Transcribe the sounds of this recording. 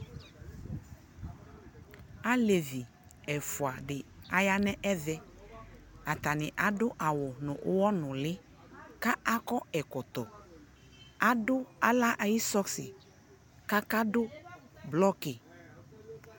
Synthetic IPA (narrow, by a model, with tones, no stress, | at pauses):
a˦le˨vi˨ | ɛ˨fʊ˨a˨ɖɪ˨a˨ja˦nɛ̃˦ʔɛ˦ðɛ˦ | a˨t̪a˨nɪ̃˨ʔa˨ɖʊ˦ʔa˨wʊ˨nʊ̰̃˨ʔʊ˦wɔ˦nʊ̃˨lɪ˦ | ka˦ʔa˦kɔ˦ɛ˨kɔ˨t̪ɔ˨ | a˦dʊ˦a˦la˦ʔa˨ji˦sɔ˦ksɪ˨ | ka˦ka˦dʊ˦blɔ˦kɪ˨